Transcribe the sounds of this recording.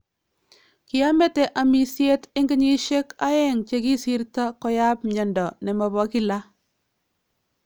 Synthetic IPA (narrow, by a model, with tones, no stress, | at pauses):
kɪ˦a˦mɛ˦tɛ˨ʔa˨mi˨sje˦tɪ˦ŋɡɪ˦ɲi˦ʃe˦ka˦ɛ˦ŋt͡ʃe˦ki˦si˦ɾta˦kɔ˨ja˦pɲɛ˨ndɔ˨nɛ˨mɔ˨bɔ˦ki˦la˦